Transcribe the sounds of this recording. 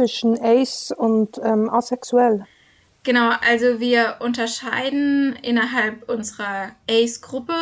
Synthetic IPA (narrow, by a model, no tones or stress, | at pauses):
ɪʃənɛɪsʊntɛmʔasɛksuɛl | ɡ̥ənaʊʔalzoviːɐʔʊntɐʃaɪdn̩ʔɪnɐɦalpʔʊnzəʁɐʔɛɪsɡ̥ʁʊpə